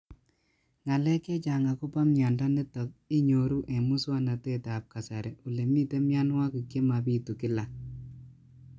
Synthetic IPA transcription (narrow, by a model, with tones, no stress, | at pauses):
ŋa˨lɛ˦kɛ˦t͡ʃa˨ŋa˨ku˦pa˦mɲa˨nda˦nɛ˦tɔ˨k̚i˦ɲo˨ɾu˦ʔɛ˨mu˦swa˦na˨te˦ta˨p̚ka˨sa˨ɾɛ˨ʔu˨le˨mi˦te˦mja˦nwa˦ku˨kje˦ma˨pi˦tu˨kɪ˦la˨